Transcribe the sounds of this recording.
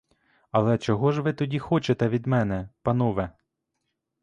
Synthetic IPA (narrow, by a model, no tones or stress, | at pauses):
ɐlˠɛt͡ʃɔɦɔʒʋɪt̪ɔdʲixɔt͡ʃet̪ɛʋʲid̪mɛnɛpɐnɔʋɛ